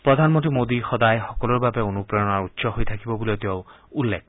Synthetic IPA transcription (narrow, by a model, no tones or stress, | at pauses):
pɹɔd̪ʱanmɔntɹimod̪ixɔdajxɔkɔlɔɹbabɛonupɹɔɔnaɹutːsɔɦojt̪ʰakibɔbuleʊt̪ow | ulːek̚ʰ